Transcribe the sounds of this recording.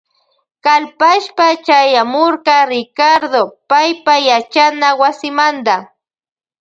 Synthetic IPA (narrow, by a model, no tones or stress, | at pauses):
kalpaʃpat͡ʃajamoɾkɑɾɪkaɾd̪opajpajat͡ʃanawasɪmand̪a